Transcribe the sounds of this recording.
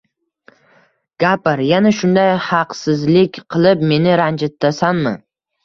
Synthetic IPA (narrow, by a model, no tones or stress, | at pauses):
ɡ̥apɪɾjanaʃʊnd̪ajhɑqsɪzlɪkʲqʰɨlˠɪpme̞nɪɾand͡ʒɪt̪ːasanmɪ̰